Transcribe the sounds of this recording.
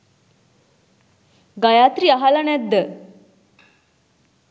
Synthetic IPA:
ɡajaːt̪ɾiaɦalanɛd̪ːə

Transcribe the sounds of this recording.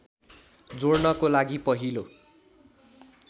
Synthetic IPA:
d͡zornʌkolaɡipʌɦilo

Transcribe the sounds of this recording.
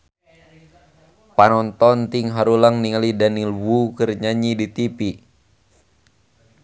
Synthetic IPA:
panɔnt̪ɔnt̪iŋɦaɾulaŋniŋalidanilwukɨrɲaɲidit̪ipi

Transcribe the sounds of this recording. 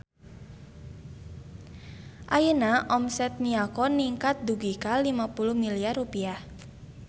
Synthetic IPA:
ʔajənaʔɔmsɛt̪̚niakɔniŋkat̪̚d̪uɡikalimapuluhmiliarupiah

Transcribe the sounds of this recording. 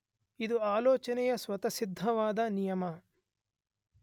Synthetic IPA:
id̪uaːlɔːt͡ʃɐnɛjɐsʋɐt̪ɐsid̪ʱːɐʋaːd̪ɐnijɐmɐ

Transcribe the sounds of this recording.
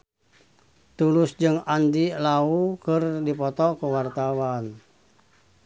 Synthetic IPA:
t̪ulʊsd͡ʒɨŋandilaukɨrdipɔt̪ɔkuwart̪awan

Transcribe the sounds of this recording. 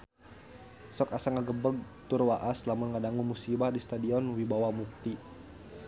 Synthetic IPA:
sɔkasaŋaɡəbəɡ̚ | t̪urwaʔaslamʊnŋadaŋuŋmusibahdist̪adiɔnwibawahmuk̚t̪i

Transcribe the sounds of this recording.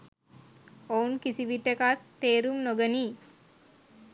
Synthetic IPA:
ounkisiʋiʈːekat̪ːeːɾumnoɡəniː

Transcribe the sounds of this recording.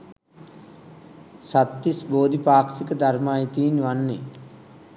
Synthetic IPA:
sat̪ːisboːd̪ipaːksikəd̪armaːjit̪iːnʋanːe

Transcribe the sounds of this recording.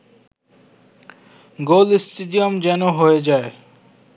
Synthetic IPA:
ɡolsʈeɖijomd͡ʑɛnoɦoed͡ʑae

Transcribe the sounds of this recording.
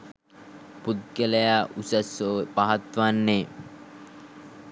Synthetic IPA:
put̪̚ɡələjaʔusəsopaɦat̪ʋanːe

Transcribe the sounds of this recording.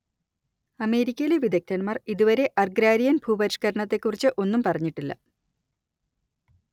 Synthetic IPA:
ɐme̞ːɾikʲːɐjileʋid̪ɐk̚t̪ɐnmɐriðuʋɐɾe̞ʔɐrɡɾaːɾijɐnbʱuːbɐɾiʂkɐɾɐɳɐt̪ːe̞kːurit͡ɕːɨʔo̞nːumpɐrɐɲːiʈːilːɐ̰

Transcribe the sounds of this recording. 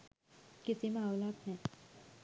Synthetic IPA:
kɪsimawlaːt̪ɦɛ̃

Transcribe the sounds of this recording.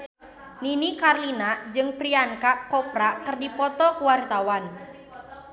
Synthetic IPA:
ninikarlinad͡ʒɨŋpɾiaŋkaʔkɔpɾakɨrdipɔt̪ɔkəwart̪awan

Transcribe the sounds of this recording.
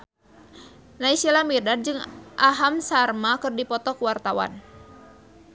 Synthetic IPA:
naisilamirdad̚d͡ʒɨŋʔaɦamsarmakɨrdipɔt̪ɔkəwart̪awa̰n

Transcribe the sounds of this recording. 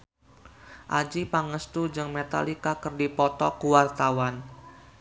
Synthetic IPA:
ʔad͡ʒipaŋəst̪ud͡ʒɨŋmet̪a̰likakərdipɔt̪ɔkuwart̪awan

